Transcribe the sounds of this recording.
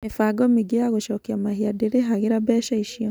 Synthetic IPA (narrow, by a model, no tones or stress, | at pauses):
mefaɡɔmiɡeaɣoʃɔːkiamahiadeɾeɦaɣeɾabɛːʃaiʃiɔ